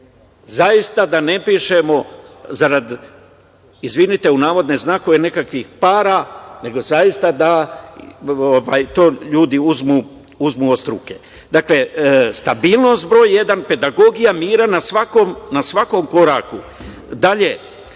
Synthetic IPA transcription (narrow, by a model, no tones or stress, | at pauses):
zajist̪ad̪ane̞piʃe̞mo̞zaɾad̪ | izʋinit̪e̞unaːʋo̞d̪ne̞znaːko̞ʋene̞kakʋixpaːɾane̞ɡo̞zajist̪ad̪a | oʋaːjt̪o̞ːʎuːd̪iuzmuː | uzmuːost̪ɾṵke̞ | d̪akle̞st̪abiːlˠno̞st̪̚bɾo̞ːjje̞d̪anpe̞d̪aɡo̞ɡijamiːɾanasʋakomnasʋako̞mko̞ɾaːku | d̪aʎe̞